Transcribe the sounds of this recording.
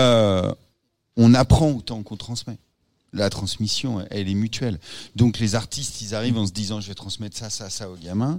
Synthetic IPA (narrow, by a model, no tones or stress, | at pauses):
ø | ɔ̃napχɑ̃ot̪ɑ̃kɔ̃t̪χɑ̃smɛ | lat̪χɑ̃smisjɔ̃ʔɛlɛmyt̪ɥɛld̪ɔ̃klezaʁt̪ist̪ilzaʁivɑ̃s̬əd̪izɑ̃ʒəvɛt̪χɑ̃smɛt̪sasasaoɡamɛ̃